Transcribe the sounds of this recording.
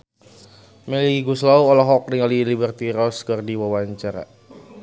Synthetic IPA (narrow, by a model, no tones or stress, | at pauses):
mɛliɡuslauɔlɔɦɔk̚niŋalilibərt̪iɾɔskərdiwawaɲt͡ʃaɾa̰